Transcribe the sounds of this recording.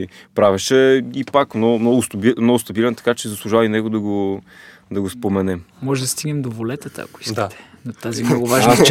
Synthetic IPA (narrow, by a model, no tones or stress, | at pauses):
ipɾavɛʃɛipakmnɔmnɔɡʊst̪bimnɔɡʊst̪ɐbilɛnt̪ɐ̥kat͡ʃɛzɐslˠuʒavinɛɡod̪ɐɡo | d̪ɐɡospomɛnɛmɔʒɛd̪ɐst̪iɡnɛmd̪ovolɛt̪ət̪ə̰ɐ̰ko̥i̥sdk̪at̪ɛ̥nɐt̪azimnɔɡʊvaʒnt͡ʃ